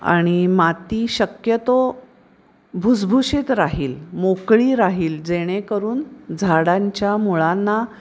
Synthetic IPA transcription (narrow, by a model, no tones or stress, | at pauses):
a̰ɽ̃imat̪iːɕəkjət̪o | bʱud͡zbʱuɕit̪ɾaɦiːlmokɭiːɾaɦiːld͡zeɽ̃ekəɾuːnd͡zʱaɽãɲt͡ɕjamuɭanːa